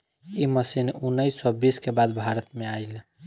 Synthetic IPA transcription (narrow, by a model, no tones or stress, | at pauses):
iməsinunːəjsɔbiskebad̪bʱaɾət̪meajl